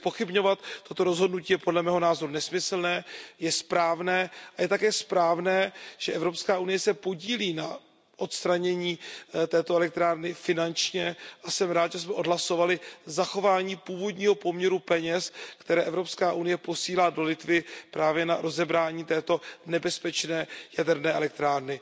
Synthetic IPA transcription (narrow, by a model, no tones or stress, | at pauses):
spo̞xɪbɲo̞vat̪ːo̞t̪o̞ɾo̞zɦodnuciːjɛpo̞dlɛmɛːɦo̞naːzo̞ɾunɛsmɪsl̩nɛːjɛspɾaːvnɛːʔajɛt̪akɛːspɾaːvnɛːʒ̥ɛʔɛvɾo̞pskaːʔunɪjɛsɛpo̞ɟiːliːna | ʔo̞t̪st̪ɾaɲɛɲiːt̪ɛːt̪oɛlɛk̚t̪ɾaːɾnɪfɪnant͡ʃɲɛʔasɛmɾaːt̪ʒɛsmɛʔo̞dɦlaso̞valɪzaxo̞vaːɲiːpuːvo̞dɲiːɦo̞pomɲɛɾupɛɲɛskt̪ɛɾɛːʔɛvɾo̞pskaːʔunɪjɛpo̞siːlaːdo̞lɪt̪vɪpɾaːvjɛnaɾo̞zɛbɾaːɲiːt̪ɛːt̪o̞nɛbɛspɛt͡ʃnɛːjadɛɾnɛːɛ̰lɛk̚t̪ɾaːɾnɪ